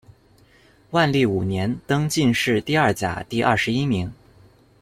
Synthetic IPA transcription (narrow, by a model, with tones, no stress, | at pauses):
wa˥˧nli˥˩u˨˩njɛ˧˥nt̪ɤ˥ŋt͡ɕi˥˧nʂɻ̩˥˧t̪i˥˧ɐ˞˥˩t͡ɕja̰˨˩t̪i˥˧ʔɐ̰˥˩ʂɻ̩˧i˥mi˧˥ŋ